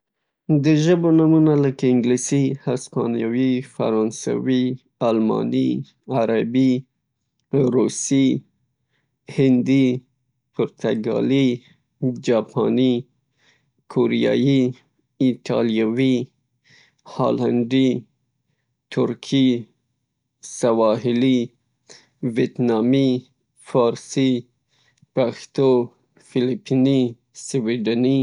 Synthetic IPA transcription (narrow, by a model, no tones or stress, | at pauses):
d̪əʒəbonamunaləkaɪŋɡlisihaspɑnjɑwifa̰ɾɑnsa̰wi | almɑ̰ni | aɾabi | ɾusi | hɪnd̪i | pʊɾt̪aɡɑ̰li | d͡ʒɑpʰɑ̰ni | kʰoɾijɑ̰ji | it̪ʰɑ̰lijawi | hɑ̰lanɖi | t̪ʰʊɾkʰi | sawɑɦili | vet̪nɑmi | fɑɾsi | paxt̪o | filipʰini | swiɖani